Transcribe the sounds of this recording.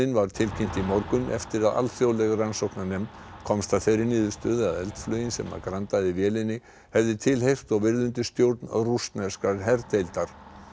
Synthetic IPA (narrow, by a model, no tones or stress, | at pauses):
ɪnvaɾ̥t̪ʰɪlcʰɪm̥t̪imɔɾkʏnʔɛ̰ft̪ɪɾaða̰lθjoːwlɛɣaransowknanɛmkʰɔmst̪afɛjɾɪniːðʏst̪œːðɪaðɛlt̪flœjɪnsɛ̰mːa̰ɾkɾant̪aðɪvjɛːlɪnːɪ | hɛvðɪt̪ʰɪlɦejr̥t̪ɔɣvɪɾðʏnt̪ɪst̪jowɾt̪na̰rust̪nɛ̥skaɾɦɛɾt̪ejlt̪aɾ̥